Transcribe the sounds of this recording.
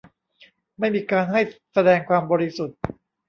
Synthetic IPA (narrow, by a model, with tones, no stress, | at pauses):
ma˥˩jmiː˧kaː˧nɦa˥˩jsa˧dɛː˧ŋkʰwaː˧mbɔː˧ɾi˦su˨˩t̪̚